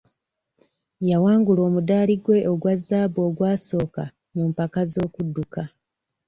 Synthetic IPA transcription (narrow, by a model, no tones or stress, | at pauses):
jawaːŋɡulo̞ːmudaːliɡwe̞ʔoɡwazːaːbo̞ːɡwaːso̞ːka | mumpakazo̞ːkudːuka